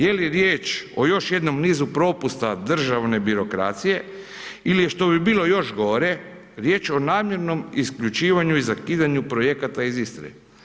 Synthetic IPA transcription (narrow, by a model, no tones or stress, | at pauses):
jeliɾjeːt͡ʃo̞jo̞ʃje̞d̪no̞mniːzupɾo̞ːpust̪ad̪r̩ʒaʋne̞biɾo̞kɾa̰ːt̪sije̞ | ilijeʃt̪o̞bibiːlˠo̞jo̞ʃɡo̞ɾe̞ | ɾjeːt͡ʃo̞naːmje̞ɾno̞miskʎut͡ʃiːʋaɲuizakiːd̪aɲupɾo̞je̞kat̪aizist̪ɾḛ